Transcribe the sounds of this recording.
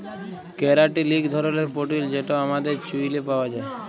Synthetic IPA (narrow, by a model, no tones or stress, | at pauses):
keɾaʈiliɡd̪ʱɔɾoleɾpoʈild͡ʒeʈoamad̪eɾt͡ʃuilepaʋad͡ʒae